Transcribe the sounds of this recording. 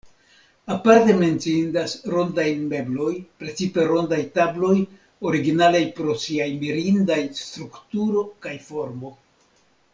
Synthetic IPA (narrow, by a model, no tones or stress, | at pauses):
apaɾte̞me̞nt͡siindasɾo̞ndajme̞blo̞jpɾe̞t͡sipe̞ɾo̞ndajtablo̞j | o̞ɾiɡinalajpɾo̞siajmiɾindajst̪ɾuktuɾo̞kajfo̞ɾmo̞